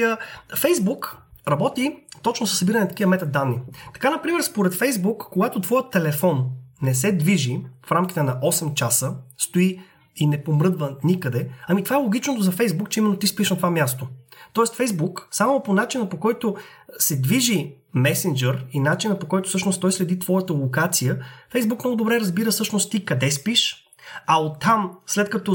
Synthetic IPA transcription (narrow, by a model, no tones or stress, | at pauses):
fɛjzbukɾɐbɔt̪it̪ɔt͡ʃnosəsːbiɾənɛt̪ɐ̥kijəmɛt̪ɐd̪ːanːit̪ɐ̥kanɐpɾimɛɾspoɾɛt̪fɛjzbukːoɡat̪ot̪vɔjət̪ːɛlɛfɔnːɛsɛd̪viʒifɾamk̟i̥t̪ɛnɐʔɔsɛmt͡ʃasəst̪oi | inɛpomɾɤd̪vənikəd̪ɛɐmit̪ovaɛlˠoɡʲit͡ʃnot̪ʊzɐfɛjzbukt͡ʃɛimɛnːot̪ispiʃnɐt̪ovamʲjast̪ot̪ɔɛst̪fɛjzbuksamoponat͡ʃinəpokɔjt̪o | sɛd̪viʒi | mɛsind͡ʒɛɾinat͡ʃinɐpokɔjt̪ʊ̥sɤʃnost̪ɔjslɛd̪it̪vɔjət̪əlˠokat̪sijəfɛjzbukmnɔɡʊd̪obɾɛɾəzbiɾəsɤʃnost̪t̪ːikɐd̪ɛspiʃ | ɐot̪ːamslɛt̪kɐt̪ɔ